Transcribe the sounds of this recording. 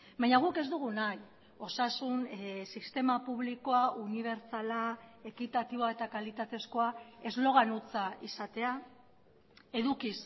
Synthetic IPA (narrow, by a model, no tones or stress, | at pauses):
bajɲaɣ̞uke̞zd̪uɣ̞unaj | o̞sasunsist̪e̞mapuβliko̞aʔuniβ̞e̞ɾt͡salae̞kit̪at̪iβoae̞t̪akalit̪at̪e̞sko̞ae̞zlo̞ɣ̞anut͡saʔisat̪e̞a | e̞ðukis